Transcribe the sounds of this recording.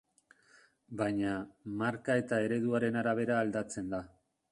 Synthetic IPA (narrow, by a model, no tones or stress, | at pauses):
bajɲamaɾkae̞t̪ae̞ɾe̞ðuaɾe̞naɾaβ̞e̞ɾaːld̪at͡se̞nd̪a